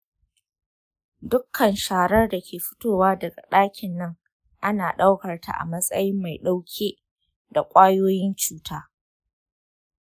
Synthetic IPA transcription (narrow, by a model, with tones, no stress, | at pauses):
dʊ˦kʰːɐ˨nʃaː˨ɽɐ˦rda˨kʲʰeː˨ɸʊ̥˦toː˦waː˦dɐ˨ɡa̰˨ɗaː˦kʲɪ˨nːɐ˦ŋ | ʔa˦naː˨ɗa˦wkɐ˨rta̰˦˨ʔa̰˨mɐ˦sʼɐ˦jɪ˦mːa˨jɗa˦wkʲʰeː˦ | da˨kʷʼaː˦joː˦jɪ˦nt͡ʃuː˦tʰaː˦